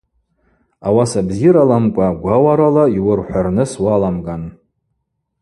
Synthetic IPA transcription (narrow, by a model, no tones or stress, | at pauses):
awasabziɾalamkʷʼaɡʷawaɾalaiwʊrħʷᶣarnɨswalamɡan